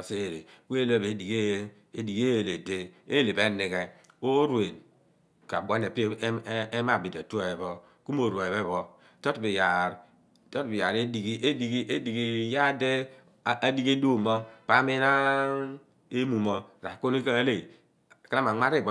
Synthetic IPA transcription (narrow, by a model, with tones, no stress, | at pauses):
se˦˨ɾe˨ke˦lo˦˨be˨˦di˨ɡe˦ | e˦di˨ɡe˦jle˨de˦e˦le˨be˦ni˨ke˨o˦ɾwe˨n | ka˨bʷo˦ne˨pi˦e˦ma˦˨bi˨da˨tu˦˨e˨bɔ˦ | ku˦m˦o˨ɾa˨βe˦˨βɔ˦ | to˦tbi˨ja˨ɾ | to˦tbi˨ja˨ɾe˦di˨ɡi˦e˦di˦ɡi˦e˦di˨ɡi˦ja˦de˦˨ | a˦di˦ke˦du˦˨mo˦pa˦me˦na˦ | e˦mu˨mo˦ɾa˨ko˦n˦i˦ka˦le˦˨ | ka˦na˦ma˨ŋʷa˦ɾi˦˨b